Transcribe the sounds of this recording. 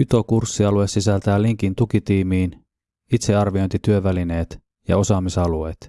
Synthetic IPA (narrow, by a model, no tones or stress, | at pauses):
yt̪o̞kursːiɑlue̞ssisælt̪æːliŋkint̪ukit̪iːmiːn | it̪se̞ɑrʋio̞jnt̪it̪yøʋæline̞ːt̪ | jɑ̰o̞sɑːmisɑlue̞̰ːt̪